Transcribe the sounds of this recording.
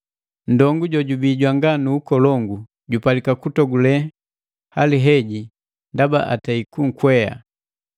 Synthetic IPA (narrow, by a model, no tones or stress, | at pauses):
n̩dɔŋɡuɟɔɟubiɟwaŋɡanuːkɔlɔŋɡu | ɟupalikakutɔɡulɛ | haliɦɛɟi | ndaba̰ʔataikuŋ̩kwɛja̰